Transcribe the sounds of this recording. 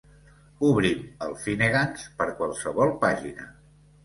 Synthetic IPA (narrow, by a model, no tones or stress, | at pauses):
uβɾiməlˠfineɣanspəɾkwalˠsəβɔlˠpaʒinə